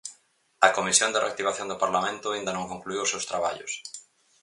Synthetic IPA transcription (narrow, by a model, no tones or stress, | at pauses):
ɐkomisjond̪ɪrea̰k̚t̪iβ̞aθjond̪ʊpaɾlamẽnt̪ʊaĩnd̪ɐnõŋkoŋkluiwʊsewst̪ɾaβa̰ʎʊ̰s